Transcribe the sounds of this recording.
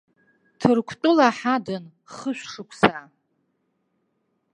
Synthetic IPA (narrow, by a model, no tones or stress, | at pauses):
tʰɨrkʷʰtʷʼʊlaħadɨn | χəʃᶣʷʂɨkʷʰʼsa